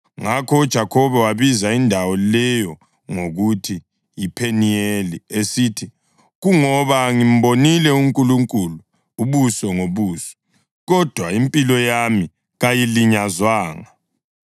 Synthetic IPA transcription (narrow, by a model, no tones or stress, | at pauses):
ŋakʰɔud̥ʒ̥ʱakʰɔβɛwaβizaindʱawɔlɛjɔ | ŋoɣutʰi | jipʰenijeliesitʰi | ɣuŋɔβaŋim̩bonilɛuŋkʼuluŋkʼulu | uβusɔŋoβuːsɔ̥ | ɣɔd̥ʱwaimpʼilɔjami | ɣajiliɲazwaːŋa